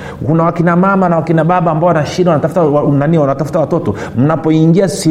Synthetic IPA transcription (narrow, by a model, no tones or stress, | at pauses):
kunawakinamamanawakinaɓaɓaːmbaɔwanaʃiɗawanatafu̥tawnaniwanatafutawatɔtɔ | m̩napɔiŋɡiasi